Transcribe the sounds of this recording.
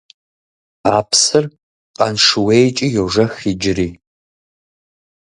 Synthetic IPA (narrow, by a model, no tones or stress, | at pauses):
aːpʰsɨr | qʼɐ̰nʂɨwejt͡ʃʼijoʐɐxid͡ʒɪriː